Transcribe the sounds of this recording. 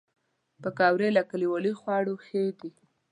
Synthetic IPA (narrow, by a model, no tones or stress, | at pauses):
pəkɑwɾelakaliwalixwɑɽoxed̪i